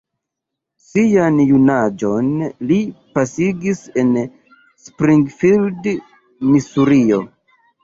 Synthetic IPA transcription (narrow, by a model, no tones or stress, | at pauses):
sijanjunad͡ʒo̞nlipasiɡise̞n | spɾiŋɡfild | misuɾio̞